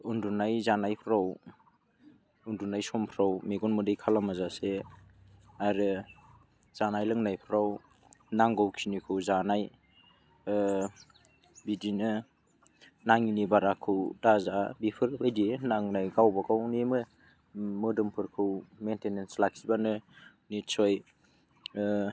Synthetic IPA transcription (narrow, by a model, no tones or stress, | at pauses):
undunajzanajpʰɾaw | undunajsɔmpʰɾawmeɡɔnmɯdɯjkʰalamazase | aɾɯ | z̥anajlɯŋnajpʰɾaw | naŋɡɯwkʰinikʰɯwzanaj | bidinɯ | naŋinibaɾakʰɯwdazabipʰɯɾɯjdinaŋnajɡawbaɡawnimɯ | mɯdɯmpʰɯɾkʰɯwmentenenslak̚sibanɯ | nisɔj